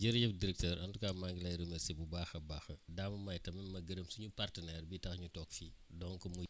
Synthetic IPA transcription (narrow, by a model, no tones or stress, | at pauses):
ɟəɾjɐfdiɾɛk̚tɛːɾʔɐntukamaŋɡilɐjɾəmɛsibubaːxɐbaːxɐdamɐmɐjtɐmɐnmɐɡəɾəmsuɲupartənɛrbitɐxɲutɔːkfiːdɔŋkɐmu